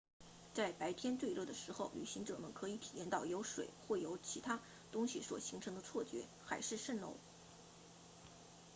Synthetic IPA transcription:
t͡sa˥˩ɪpa˧˥ɪt̪ʰjɛ˥nt̪we˥˧ɪlɤ˥˩d̪ə˩ʂɻ̩˧˥xo˥˩ʊly˨˩ɕi˧˥ŋʈ͡ʂɤ˨˩mə˦nkʰɤ˧˥i˧˥˩t̪ʰi˨˩jɛ˥˧nt̪ɑ˥˩ʊjo˧˥ʊʂwḛ˨˩ɪxwɔ˥˩jo˧˥ʊt͡ɕʰi˧˥t̪ʰa˥ | t̪ʊ˥ŋɕi˨˩swɔ̰˨˩ɕi˧˥ŋʈ͡ʂʰɤ˧˥ŋd̪ə˧t͡sʰwɔ˥˩t͡ɕɥɛ̰˧˥ | xa˧˥ɪʂɻ̩˥˧ʂə˥˩nlo̰˧˥ʊ

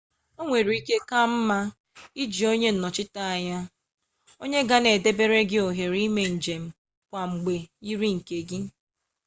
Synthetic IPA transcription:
o˦ŋʷe˨ɾi˦ke˦ka˦m̩˦ma˦ | i˦d͡ʒi˨o˦ɲe˦n̩˨nɔ˨t͡ʃɪ˦ta˦a˨ɲa˦ | o˦ɲe˦ɡa˦ne˨de˦be˦ɾe˦ɡɪ˦o˨ɦe˨ɾi˦me˨n̩˨d͡ʒe˨m̩˦ | kʷa˨ŋ͡m̩˨ɡ͡be˨i˦ɾi˦ŋ̩˨ke˨ɡɪ˦

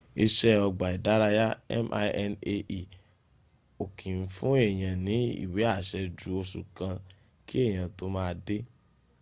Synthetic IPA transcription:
i˧ʃɛ˦ɔ˧ɡ͡ba˨i˨da˨˦ɾa˧ja˦ɛ̰˦mʔa˧ʔɛ˧ne˧ʔi˨ | o˨kʰĩ˨n̩˨˦fũ˦e˦˨j̃ã˨nĩ˨˦ḭ˦˨we˨˦a˦˨ʃɛ˧d͡ʒu˨˦o˧ʃu˨kã˧ | ki˦e˦˨j̃ã˨to˦mãː˦˧de˦

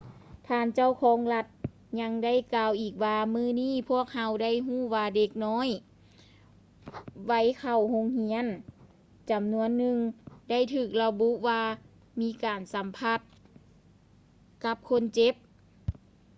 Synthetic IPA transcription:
t̪ʰaː˧nt͡ɕa˥˩wkʰɔː˨˦ŋla˧t̪̚ | ɲa˧˥ŋda˥˩˨jkaː˧wʔiː˨˩k̚waː˧mɯː˧˥˨niː˥˩˨pʰu˥˩ək̚ha˧˥wda˥˩˨jɦuː˥˩waː˧de˧k̚nɔː˧˥˨j | wa˧˥˩jkʰa˨˧˩who˧˥ŋhi˧˥ən | t͡ɕa˨˩mnu˧˥ənːɯ˧ŋda˥˩jt̪ʰɯː˧˩k̚la˧bu˧˥ʔwaː˧ | miː˧˥kaː˨˩nsa˨˦mpʰa˧˥˩t̪̚ | ka˧˦˥p̚kʰo˧˥˨nt͡ɕe˧˦˥p̚

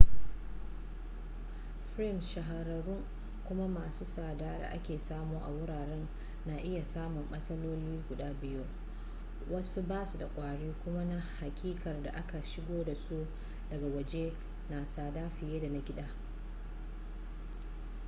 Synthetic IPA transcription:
ɸɾɪ˦˨mʃɐ˨ɦa˨ɾɐ˨ɽʊ˦ŋ | kʷʊ˦ma˦maː˨suː˦saː˨daː˦da̰˨ʔa˦kʲeː˨saː˦moː˦ʔa˨wʊ˦ɽaː˨ɽɛ˦nː | a˨ʔɪ˦ja˨saː˦mʊ˨mɓɐ˦sɐ˦loː˦liː˦ɡʷʊ˨ɗaː˦bɪ˦joː˦ | wɐ˦su˦baː˦su˨da˨kʷʼaː˨ɽiː˦kʷʊ˦ma˦na˦ha˨kʲʼiː˦kɐ˨rda˨ʔa˦ka˨ʃɪ˦ɡʷoː˦da˨su˦ʔ | dɐ˨ɡa˨wɐ˨d͡ʒe˦ | na˨saː˨daː˦ɸɪ˨jeː˦da˨na˨ɡʲɪ˦ɗaː˦

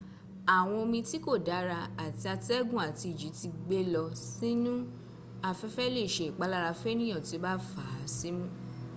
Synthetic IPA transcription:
a˨w̃ɔ̃˧o˧mĩ˧ti˦ko˦˨da˨˦ɾa˧a˨ti˧a˧ti˦ɛ˦ɡũ˦˨a˨ti˧i˨d͡ʒi˨˦ti˧ɡ͡be˦lɔ˧si˦nũ˦ | a˧fɛ˦fɛ˦le˦˨ʃe˨k͡pa˨˦la˦˧ɾa˧fɛ˦nĩ˦j̃ɔ̃˦˨to˨˦ba˦fa˨˦si˦mũ˦

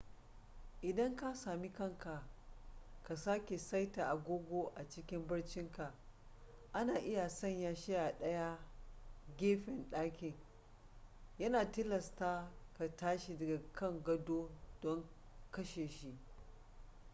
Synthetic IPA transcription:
ʔɪ˨dɐ˦ŋka˦saː˨mi˦kɐ˦˨ŋka˨ | ka˨saː˦kʲe˨sa˦jta˨ʔa˨ɡʷoː˦ɡʷoː˦ʔa˨t͡ʃɪ˦kʲɪ˦mbɐ˦ɽt͡ʃɪ˦ŋka˨ʔ | ʔa˦naː˨ʔɪ˦ja˨sɐ˦˨ɲjaː˦ʃɪ˦ja˨ɗɐ˦ja˦ | ɡʲeː˦ɸɪ˨nɗaː˦kʲɪ˨ŋ | jɐ˦naː˨tɪ˦lɐ˨staː˦ka˨taː˦ʃi˨dɐ˨ɡa˨kɐ˦˨ŋɡɐ˦doː˦d̥ɔ˦ŋ | kɐ˦ʃeː˨ʃi˦ʔ

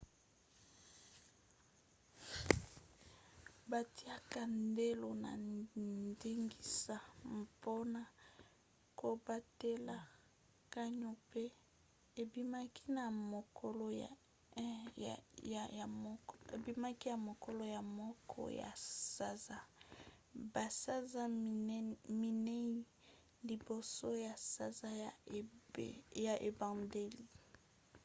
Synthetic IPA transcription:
ba˨ti˦a˦ka˨nde˦lo˨na̰˨ndi˦ŋɡi˦sa˦m˨po˦na˨ | ko˨ba˦te˦la˨ | ka˦ɲo˨pe˦ | e˨bi˦ma˦ki̥˦na˨mo˨ko˦l | ja˨˦ḛ˨bi˦ma˦ki˦ja˨mo˨ko˦lo˦ja˨mɔ˦kʰɔ̰˦ja̰˨sa˦za˦ | ba˨sa˦za˦ | mi˨ne˦i˦ | li˨bo˨so˦ja˨sa˨za˦j | ja˨ʔe˨ba˨de˦li˨

